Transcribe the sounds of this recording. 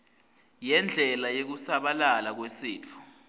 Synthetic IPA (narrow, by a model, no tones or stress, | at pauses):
jɛnd͡ɮʱɛlajok̬usaɓalalak̬wesiːtʰɔ̥